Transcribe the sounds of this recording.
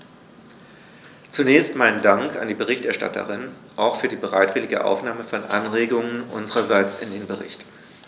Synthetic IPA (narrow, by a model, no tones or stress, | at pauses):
t͡sunɛːçstmaɪnəndaŋka̰ndiːbəʁ̞ɪçtɛɐʃta̰tʰə̰ʁɪn | ʔaʊxfyːɐdiːbəʁaɪtv̥ɪlɪɡə̰ʔa̰ʊfnaːməfɔnʔa̰nʁeːɡʊŋənʔʊ̰nzəʁɐzaɪt͡sɪ̰ndeːnbəʁɪ̰çt